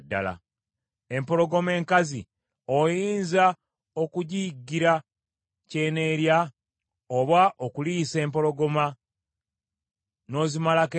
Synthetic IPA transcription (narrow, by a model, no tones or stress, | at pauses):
dːa̰la̰ | e̞mpo̞ɾo̞ɡo̞me̞ːŋkazi | ojiːnza | o̞kuɟiɡːiɾa | ce̞ːne̞ɾja | oβaʔokulise̞ːmpo̞ɾo̞ɡo̞ma | no̞zimalake